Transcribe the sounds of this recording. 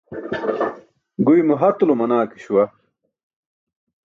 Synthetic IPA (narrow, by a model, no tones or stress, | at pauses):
ɡujmuɦɐt̪lumɐnaːki̥ɕuwɐ